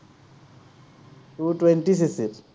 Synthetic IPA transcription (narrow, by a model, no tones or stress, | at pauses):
tutwɛntis̬isit